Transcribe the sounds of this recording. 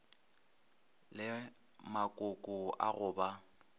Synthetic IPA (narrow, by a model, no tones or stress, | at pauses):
lɪ | makʼʊkʼʊa̰ɣʊːba